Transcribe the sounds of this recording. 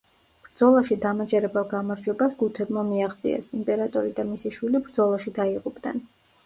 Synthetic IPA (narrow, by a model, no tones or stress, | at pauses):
b̥ɾd̪zɔlˠaʃid̪amad͡ʒɛɾɛbɛlˠɡamaɾd͡ʒwɛbasɡut̪ʰɛbmamiaʁd̪zʼḭɛ̰simpʼɛɾat̪ʼɔɾid̪amisiʃwilibɾd̪zɔlˠaʃid̪aiqʼupʼd̪nɛ̰n